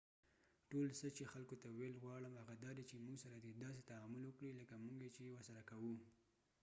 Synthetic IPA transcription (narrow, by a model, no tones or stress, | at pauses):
ʈolsət͡ʃexalkot̪awelɣwɑɽəmhaɣad̪ɑd̪et͡ʃemuɡsaɾad̪ed̪ɑs̬et̪aamʊlwəkɽiləkamuŋɡjet͡ʃewəɾsaɾakawu